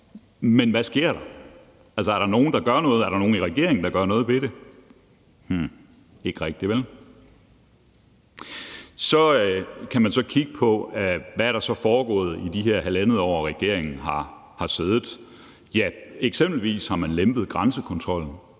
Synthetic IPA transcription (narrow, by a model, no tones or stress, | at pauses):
menʋæsɡ̥e̝ɐ̰ɾ̥ɑ̈ | æls̬əæɐɾ̥ɑ̈no̝ːn̩d̥ɑ̈ɡ̥ɶɐnɔ̽ːð̩ˠæɐɾ̥ɑ̈no̝ːn̩iʁɛɡ̥e̝̰ɐ̰eŋn̩d̥ɑ̈ɡ̥ɶɐnɔ̽ːð̞̩ˠʋe̝ɾe̝ | hm̩ | e̝ɡ̥ʁɛɡ̥̚d̥iʋel | sɒ̽kʰæmænsɒ̽kʰiɡ̥əpʰɒ̽ʋææɐɾɑ̈sɒ̽fɒːɡ̥ɔ̰̽ːð̞̩ˠid̥iɦeɐ̰ɦælænð̞̩ˠɒ̰ːʁɛɡ̥e̝ɐ̰eŋn̩ɦɑ̈ | hɑ̈se̝ð̞ˠð̩ˠ | jæeɡ̥semb̥l̩ʋḭːshɑ̈mænlemb̥ð̩ˠɡ̥ʁansəkʰɒ̽nt͡sʰʁɒ̽l̰n̩